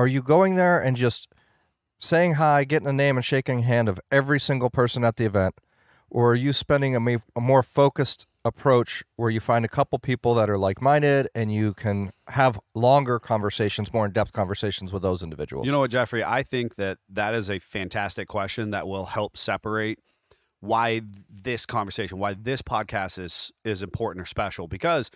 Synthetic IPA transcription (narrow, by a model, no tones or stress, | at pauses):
ə˞jɨɡoʊɪ̃ŋðə˞ɨ̃nd͡ʒʌst | seɪɪ̃ŋɦaɪɡɛɾɪ̃ŋɨnẽɪ̃mɨ̃nʃeɪkɪ̃ŋɦæ̃ndʌvɛvɹisɪ̃ŋɡl̩ˠpʰɜ˞sə̃nət̪̚ðiɨvɛ̃nt | ʔə˞ːjɨspɛ̃ndɪ̃ŋɨəmɔɹfoʊkɨst | əpʰɹ̥oʊt͡ʃwə˞jɨfãɪ̃ndɨkʰʌpl̩ˠpʰipl̩ˠðəɾə˞laɪk̚mãɪ̃ndɪɾɨ̃njɨkʰɨ̃nəvlɔ̃ŋɡə˞kʰɑ̃ɱvə˞seɪʃn̩zmɔɹɨ̃ndɛp̚θkʰɑ̃ɱvə˞seɪʃn̩zwəðoʊzɪ̃ndɨvɪ̰d͡ʒə̰w̰l̩ˠjɨñoʊwʌt̚d̥d͡ʒ̥ɛfɹiʔa̰ɪθɪ̃ŋk̚ðɨt̪̚ðɨɾɨzɨfæ̃ntʰæstɨkʰw̥ɛst͡ʃɨ̃nðə̰ʔ̚wɪlˠhɛlˠpsɛpə˞eɪt̚ | waɪðɪskʰɑ̃ɱvə˞seɪʃə̃n̩waɪðɪspʰɑd̚kʰæstɪz̥ɪzɨ̃mpʰɔɹʔn̩tə˞spɛʃl̩ˠbɨkʰʌz̥